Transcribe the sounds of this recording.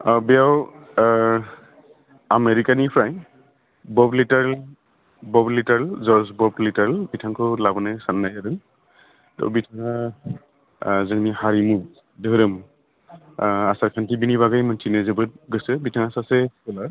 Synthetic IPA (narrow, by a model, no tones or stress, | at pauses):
abijaw | ameɹikanipʰɹaj | bɔblitaɹl | bɔblitaɹlzɔsbɔblitaɹlbitʰaŋkʰɔlabɔnɛsanːajadɯŋ | tɔ̰wbitʰaŋa | zɯŋnihaɹimu | dəɦɾamu | asakʰantʰibiniβaɡajmantʰinɛzebɯt̚ɡɔjsɯbitʰaŋasasɛkɔlaɹ